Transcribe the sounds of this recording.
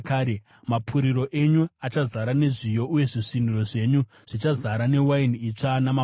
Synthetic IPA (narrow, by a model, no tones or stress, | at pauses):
kaːɾe | mapʰuɾiɾo̞ʔe̞ɲuat͡ʃazaɾane̞ʐijo̞ʔuje̞ʐiʂinuro̞ʐe̞ːɲu | ʐ̥it͡ʃazaɾane̞wainit͡ʂanama